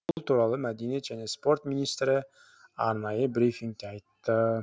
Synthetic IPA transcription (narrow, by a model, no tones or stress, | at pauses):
ʊllˠt̪ʰuːɾɑlˠumæd̪ined͡ʒænespo̞rt̪mʲinʲist̪ɾi | ɑ̰ɾnɑjɯbɾʲifʲiŋkt̪eɑjt̪ːɯ